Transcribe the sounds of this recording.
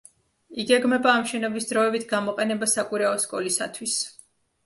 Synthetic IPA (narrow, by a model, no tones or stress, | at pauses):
iɡɛɡmɛbaːmʃɛnɔbisd̪ɾɔɛbit̪ʰɡamɔqʼɛnɛbasakʼiɾaɔskʼɔlisa̰t̪ʰwis